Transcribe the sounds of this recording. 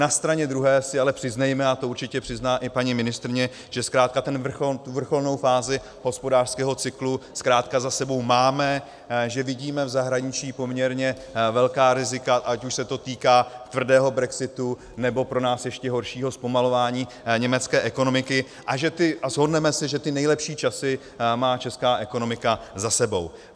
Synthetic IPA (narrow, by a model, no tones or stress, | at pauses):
nast̪ɾaɲɛd̪ɾuɦɛːsɪalɛpr̥ɪznɛjmɛat̪o̞uɾt͡ʃɪcɛpr̝̥ɪznaːʔɪpaɲimɪnɪst̪ɾɪɲɛ | ʒ̥ɛskɾaːt̪̚kat̪ɛnvr̩xot̪uvr̩xo̞lno̞wfaːzɪ | ɦo̞spo̞daːr̥skɛːɦo̞t͡sɪkluskɾaːt̪kazasɛbo̞wmaːmɛ | ʒɛvɪɟiːmɛvzaɦɾaɲɪt͡ʃiːpo̞mɲɛɾɲɛ | vɛlkaːɾɪzɪkaʔacuʃsɛt̪o̞t̪iːkaːt̪vr̩dɛːɦo̞bɾɛksɪt̪u | nɛbo̞pɾo̞naːsjɛʃcɛɦo̞ɾʃiːɦo̞spo̞malo̞vaːɲiː | ɲɛmɛt͡skɛːʔɛko̞no̞mɪkɪ | ʔaʒɛt̪ɪʔazɦo̞dnɛmɛsɪʒɛt̪ɪnɛjlɛpʃiːt͡ʃasɪ | maːt͡ʃɛskaːʔɛko̞no̞mɪkazasɛbo̞̰w